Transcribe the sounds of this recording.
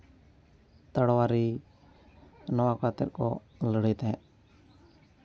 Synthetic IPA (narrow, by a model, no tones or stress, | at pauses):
t̪əɽwaɾi | nɔwakʰat̪ɪɾkɔ̰ | ləɽit̪ɛ̃